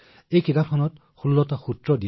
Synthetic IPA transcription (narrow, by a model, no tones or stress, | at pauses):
ejkitapʰɔnɔt | xulːɔtaxutɹɔdi